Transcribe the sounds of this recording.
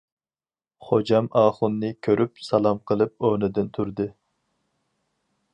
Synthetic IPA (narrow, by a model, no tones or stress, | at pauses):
χod͡ʒɑmɑːχʊnːɨkʲʰøɾʔyp̚sɑlˠɑmqʰəlˠɨp̚onɪd̪ɪnt̪ʰuɾd̪ɨ